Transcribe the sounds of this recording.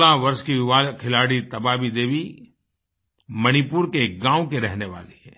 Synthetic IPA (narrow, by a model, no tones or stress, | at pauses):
laʋɐɾʃkiʋaːkʰɪlaːɽit̪ɐbaːbid̪eːʋi | mɐñipuːɾkeɡãːõkeɾɛɦneʋa̰ːleɦɛː